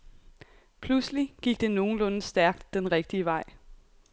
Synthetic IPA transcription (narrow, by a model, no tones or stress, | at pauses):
pʰlusliɡ̥iɡ̥d̥e̝no̝ːn̩lɔ̽nəsd̥æɐɡ̥d̥ːenʁɛɡ̥̚d̥iəʋɑ̈ɪ̰